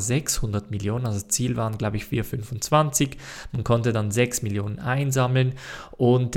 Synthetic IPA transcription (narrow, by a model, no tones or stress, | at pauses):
zɛkshʊndɐtmɪljoːnənalzodast͡siːlvaːʁənɡlaʊbəɪçfiːɐfʏnfʊnt͡sv̥ant͡sɪçmankʰɔntədanzɛksmɪljoːnənʔaɪnzamlənʔʊnt